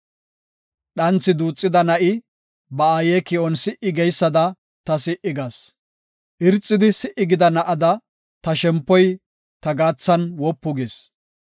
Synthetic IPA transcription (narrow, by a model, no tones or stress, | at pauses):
ɗɐnt͡sːɪd̪uːt͡sʼːɪd̪ɐnɐʔɪ | bɐaːjeːkɪɔnsɪʔɪɡɛjsːɐd̪ɐ | t̪ɐsɪʔɪɡas | ʔɪɾt͡sʼːɪd̪ɪsɪʔɪɡɪd̪ɐnɐʔɐd̪ɐ | t̪ɐʃɛmpːɔj | t̪ɐɡaːt͡sːɐnwɔpːʊɡes